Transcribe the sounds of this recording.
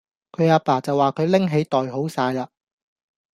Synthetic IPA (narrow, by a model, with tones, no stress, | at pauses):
kʰɵ˨˧ɥaː˧paː˨˩t͡sɐ˨wːaː˨kʰɵ˨˧ɥlɪ˥ŋɦe˨˧jt̪ɔː˨jɦo˨˥wsaː˧jlaː˧